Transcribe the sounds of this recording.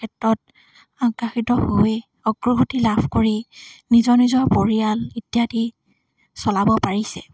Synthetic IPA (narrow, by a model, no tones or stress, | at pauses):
kʰɛtɹɔt̚ | aŋkaxitɔhoe | ɔɡɹuɡʱutilabʰʱkoɹinizɔnizɔɹpoɹijalitjati | sɔlabɔpaɹisɛ̰